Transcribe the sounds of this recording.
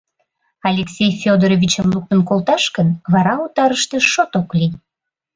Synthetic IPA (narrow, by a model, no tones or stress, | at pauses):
ɑlʲeksʲejfʲod̪oɾovʲit͡ɕəmluk̚t̪ənkolt̪ɑʃkənβɑɾɑut̪ɑɾəʃt̪ĕʃot̪oklij